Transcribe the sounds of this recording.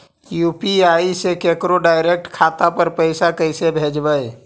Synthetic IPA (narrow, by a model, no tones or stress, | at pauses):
jupiaisekekɾoɖaːɪɾek̚ʈkʰat̪apəɾpəɪsakəɪsebʱed͡ʒbəj